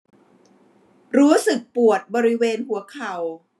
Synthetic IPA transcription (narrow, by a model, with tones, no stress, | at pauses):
ɾuː˦˥sɯ˨˩k̚pu˨˩ət̪̚bɔː˧ɾi˦˥weː˧nɦu˩˦ɐkʰa˨˩w